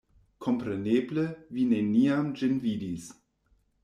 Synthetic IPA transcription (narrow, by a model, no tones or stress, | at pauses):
kʰɔmpɾeneːbləvineniamd͡ʒɪnvidis